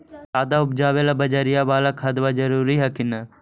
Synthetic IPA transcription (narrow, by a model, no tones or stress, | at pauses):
aːd̪aːʊp̚d͡ʒaːʋelabəd͡ʒaːɾɪjaːbaːlaːkʰət̪ʋaːd͡ʒəɾuːɾiɦɛkɪnə